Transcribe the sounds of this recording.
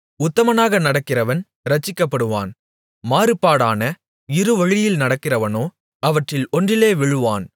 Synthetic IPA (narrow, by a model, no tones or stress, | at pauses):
ʊt̪ːɐmɐnaːɣɐnɐɽɐkːɪrɐʋɐn | ɾɐt͡ʃːɪkːɐpːɐɽɯʋa̰ːn | maːɾɯpːaːɽaːnɐ | ɪɾɯʋɐɻɪjɪlnɐɽɐkːɪrɐʋɐnoː | ɐʋɐʈrɪlɔndrɪleːʋɪɻɯʋaːn